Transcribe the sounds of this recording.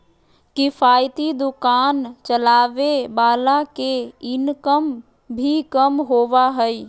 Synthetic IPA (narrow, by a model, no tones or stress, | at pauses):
kipʰajt̪id̪ukant͡ʃəlaʋebaːlakeɪnkəm | bʱikəmɦoʋaɦəj